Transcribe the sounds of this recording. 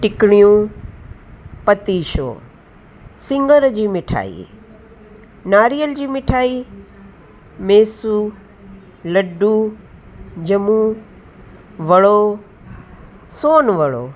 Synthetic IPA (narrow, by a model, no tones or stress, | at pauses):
ʈɪkɽ̃ijũ | pɐt̪iːʃo̰ː | sɪ̃ŋɡəɾd͡ʑiːmɪʈʰa̰ːḭː | naːɾijəld͡ʑiːmɪʈʰaːiː | meːsu | lɐɖu | d͡ʑɐmu | ʋɐɭo | soːnʋɐɭo̰ː